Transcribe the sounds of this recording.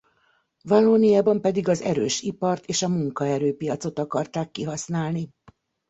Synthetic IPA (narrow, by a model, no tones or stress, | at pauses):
vɒloːnijaːbɒmpɛd̪iɡɒzɛ̰ɾøːʃipɒrt̪eːʃɒmuŋkɒɛɾøːpijɒt̪so̞t̪ɒkɒrt̪aːkːiɦɒsnaːlni